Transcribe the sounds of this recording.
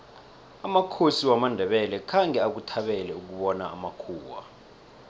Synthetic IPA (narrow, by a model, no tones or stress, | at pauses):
amakʰosiwamandʱɛɓɛlɛkʰaŋʱɛak̬utʰaɓɛlɛuk̬uɓɔnaa̰makʰuːwa̰